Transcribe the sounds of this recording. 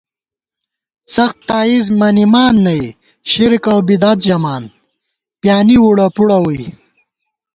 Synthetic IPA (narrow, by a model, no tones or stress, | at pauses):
sɐxt̪ːaːizmɐnimaːnːɐj | ʃiɾkawbid̪at̪d͡ʒɐmaːn | pjaːniwuɽapuɽawuj